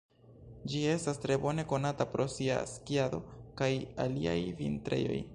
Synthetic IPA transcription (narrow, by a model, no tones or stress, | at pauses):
d͡ʒie̞stastɾe̞bo̞ne̞ko̞natapɾo̞sia̰skiado̞̰kajalia̰jvḭntɾe̞̰jo̞̰j